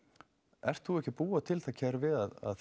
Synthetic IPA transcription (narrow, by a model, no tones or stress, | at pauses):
ɛ̰r̥t̪θuɛhcɪpuːat̪ʰɪlθacʰɛɾvɪðaða̰ð